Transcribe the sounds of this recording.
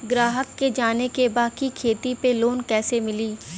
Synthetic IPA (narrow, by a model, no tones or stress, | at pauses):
ɡɾaːɦət̪ked͡ʒaːnekebaːkikʰeːt̪ipeloːnkɛːsemɪliː